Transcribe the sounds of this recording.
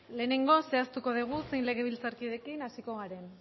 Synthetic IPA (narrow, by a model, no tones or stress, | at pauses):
le̞ːne̞ŋɡo̞se̞ast̪uko̞ð̞iɣ̞use̞jnle̞ɣ̞e̞βilt͡saɾkiðe̞kinasiko̞ɣaɾe̞n